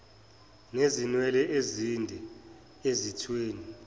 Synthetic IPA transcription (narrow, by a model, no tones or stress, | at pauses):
nezinwɛlɛʔezindʱɛ | ezitʰweːni